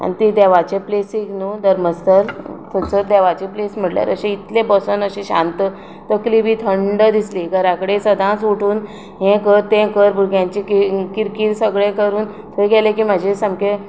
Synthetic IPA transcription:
a̰nit̪id̪ɛʋat͡ɕeplesiknud̪əɾməst̪əɾt̪ʰət͡səɾd̪ɛʋat͡ɕeplesm̤əɽlja̰ɾə̰ɕeit̪lebəsənəɕẽɕã̰nt̪ə | t̪əklibiːt̪ʰəɳɖəd̪isliɡəɾãkəɽesəd̪ʱãsuʈʰuːn | ɦẽkəɾt̪ẽkəɾbʱuɾɡjãɲt͡ɕiikiɾkiːɾsəɡɭẽkəɾuːn | t̪ʰəɡɛlekiːmad͡ʑʱẽsəmke

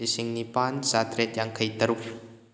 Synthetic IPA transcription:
isiŋnipansat̪ɾɛt̪̚jaŋkʰəit̪əɾup

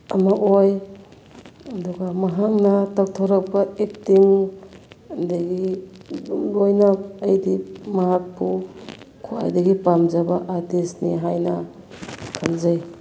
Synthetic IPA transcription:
amaʔoj | ɐduɡamaɦaŋnɐtaktʰɔɾak̚baek̚tiŋ | ndaɡi | lojnaɐjdimaɦak̚pʰu | kʰua̰jdaɡipamzabaʔatesnḭɦajnɐ | kʰamzaj

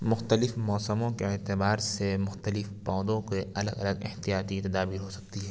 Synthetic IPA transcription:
mʊxt̪əlɪfmɔːsəmõkeɛːt̪ɪbaːɾsemʊxt̪əlɪfpãːd̪õkeɐləɡɐləɡɪ̰ht̪ijaːt̪it̪ɐd̪aːbiːɾɦosɐk̚t̪iɦɛː

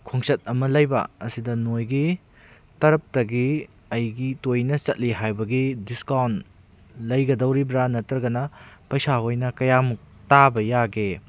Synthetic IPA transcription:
kʰoŋsɐt̚ɐmɐlɐjbɐ̰ɐsidɐnojɡi | tɐɾɐp̚tɐɡi | ɐjɡitojnɐt͡ʃɐt̚liɦajbɐɡidiskawn | lɐjɡɐdɐwɾibɾanɐtɾɐɡɐnɐpɐjsaojnɐkɐjamuk̚ | tabɐjaɡe

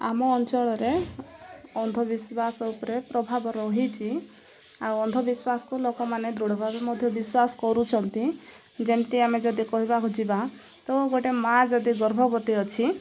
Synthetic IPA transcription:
a̰mɔːnt͡ʃɔɭɔɾe | ɔnd̪ʱɔbiswasɔupɔɾepɾɔbʱabɔɾɔɦit͡ʃʰi | awɔnd̪ʱɔbiswasɔ̥kulokɔmaned̪ɾuɽɔbʱabemɔd̪ʱjɔbiswasɔ̥kɔɾut͡ʃʰɔnt̪i | d͡ʒemt̪iamed͡ʒɔd̪ikɔɦibaɦud͡ʒiba | t̪ɔɡoʈemad͡ʒɔd̪iɡɔɾbʱɔkɔt̪iɔt͡ʃʰi

